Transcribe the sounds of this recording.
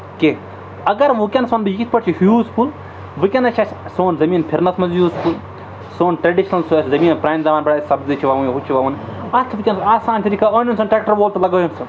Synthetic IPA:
ke | ɐɡɐɾʋukʲɐnsɐnb̪ɨjikit̪ʰʲpɐʈt͡ʃʰihjuːspul | ʋɨkʲɐnɐt͡ʃʰat͡ʃʰsoːnzɐmiːnpʰiɾnɐsmɐnzjuːspʰul | soːnʈɾɐɖiʃnɐlsuɐszɐmiːnpɾaːjmzɐmaːnbɐɽaːsɐbzit͡ʃʰiʋaʋuɦut͡ʃʰiʋaːʋɐniɐt̪ʰʋikʲɐnsaːsaːnt̪ʰiɾikʰaonunsɐnʈɾeːk̚ʈɐɾboːlt̪ɐlɐɡɐːjɐnsɨ

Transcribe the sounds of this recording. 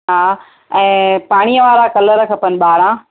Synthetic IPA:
ɦaː | ɛ̃ːpaːɽ̃ijəʋaːɾãkɐləɾəkʰɐpənɪ̆ɓaːɾãː

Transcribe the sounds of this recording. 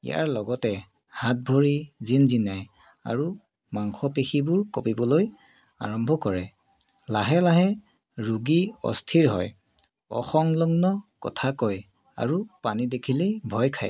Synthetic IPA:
ḭja̰ɹlɔɡɔtɛ | hat̚bʱoɹizinzinaj | a̰ɹu | maŋxʰɔpexibʊɹkopibɔloj | a̰ɹɔmbʱɔkɔɹɛ | laɦɛlaɦɛ | ɹuɡiɔ̰stʰiɹɦɔj | ɔ̰xɔŋlɔŋnɔkɔ̰tʰakɔj | a̰ɹupanidekʰilibʱɔjkʰaj

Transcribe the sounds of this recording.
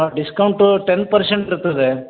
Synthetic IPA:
ɖiskɐwɳʈuʈenpɐɾseɳʈiɾut̪ːɐd̪e

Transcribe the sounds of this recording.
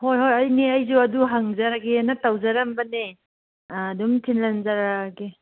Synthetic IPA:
hojɦojɐjniɐjzuɐduɦaŋzaɾaɡenɐtawzaɾɐmbɐneː | dumtʰinlanzaɾaɡe

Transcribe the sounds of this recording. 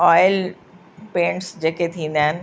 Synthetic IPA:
ɔːɪl | pẽːɳʈsd͡ʑeːket̪ʰĩːn̆d̪aːɦɪn

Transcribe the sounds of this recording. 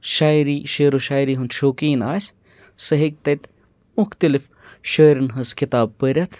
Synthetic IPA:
ʃaːiɾiːʃeːɾoʃaːiɾiːɦund̪ʃoːkiːnaːs | sɐɦik̚t̪ɐt̪ | mʊxt̪ɐlɪf | ʃɐːɾinɦɐskɪt̪aːb̚pəɾʲɐt̪ʰ

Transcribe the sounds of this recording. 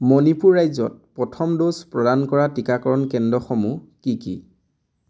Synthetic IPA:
mɔnipuɹɹajzɔ̰t̚pɹɔtʰɔmdospɹɔdankɔɹatikakɔɹɔnkɛndɹɔxɔmu | kikḭ

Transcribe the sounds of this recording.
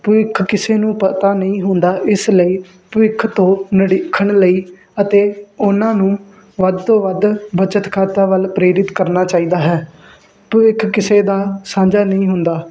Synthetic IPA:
pəʋɪkʰkɪseːnũːpət̪aːnəĩːɦʊnd̪aːʔɪsləiː | pəʋɪkʰːt̪õːnəɽɪkʰːəɳləiː | ət̪eːʊnãːnũː | ʋəd̪t̪õːʋəd̪bət͡ʃət̪kʰaːt̪aːʋəlpɾeːɾɪt̪kəɾnaːt͡ʃaːiːd̪aːɦɛː | pəʋɪkʰkɪseːd̪aːsãːd͡ʒaːnəĩːɦʊnd̪aː

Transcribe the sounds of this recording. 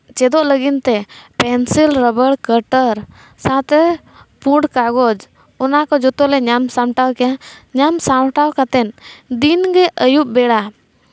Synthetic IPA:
t͡ʃɛd̪ɔʔləɡint̪ɛpɛnsilɾəbəɽkəʈəɾ | sãt̪ɛ | pũɖkaɡɔd͡ʒ | ɔnakɔd͡ʒɔt̪ɔlɛɲamsãʈawkɛjaɲamsawʈawkat̪ɛnd̪inɡɛʔəjuʔ̚bɛɽa

